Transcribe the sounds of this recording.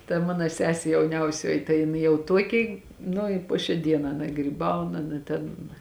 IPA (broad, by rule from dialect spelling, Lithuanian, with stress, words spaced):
tɐ ˈmɑːnoː ˈsʲæːsʲeː jɛʊˈnʲɛʊsʲoːjɪ tɐɪ jɪˈnɐɪ jɛʊ ˈtuɔkʲɪ ˈnʊ ɪ ˈpoː ʃʲæː ˈdʲiɛnɑː ˈɑːnɐ ɡrʲiːˈbɐʊn ˈɑːnɐ tʲɛn